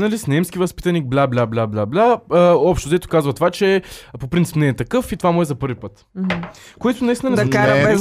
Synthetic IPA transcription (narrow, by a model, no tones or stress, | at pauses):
nɐlisnɛmskʲivɐspi̥t̪ɐnik̚blʲablʲablʲablʲablʲaəɔpʃt̪ʊd̪ɛt̪ʊ̥kazvɐt̪ovat͡ʃɛpopɾint̪i̥pnɛːt̪ɐkɤfit̪ovamʊɛzɐpɤɾvipət̪ | koɛt̪ʊnɐist̪inɐnɛaɛ